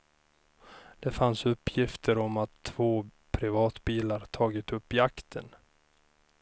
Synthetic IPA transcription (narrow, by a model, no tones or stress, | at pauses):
d̪̥ɛfansɵpʰːjɪft̪ʰəɾɔmat̪ʰːv̥oː | pʰɾɪvɑːt̪biːlaɾt̪ʰɑːɡɪt̪ɵpːɪakt̪ʰən